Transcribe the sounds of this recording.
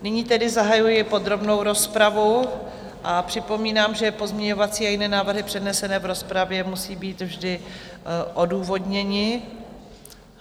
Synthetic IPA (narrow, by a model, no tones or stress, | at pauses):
nɪɲiːt̪ɛdɪzaɦajujɪpo̞d̪ɾo̞bno̞wɾo̞spɾavu | ʔapr̝̥ɪpo̞miːnaːmʒɛpo̞zmɲɛɲo̞vat͡siːajɪnɛːnaːvr̩ɦɪpr̥ɛdnɛsɛnɛːvɾo̞spɾavjɛmusiːbiːt̪vʒdɪ | ʔo̞duːvo̞dɲɛɲɪ